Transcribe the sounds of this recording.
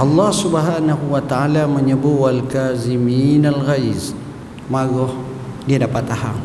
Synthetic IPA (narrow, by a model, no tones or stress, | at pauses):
ʔɑlˤːɑhsubaɦanaɦuwat̪aalaməɲəbuwalkaziminalɣaiz | maɡɔh | diadapat̪ːaɦa̰ŋ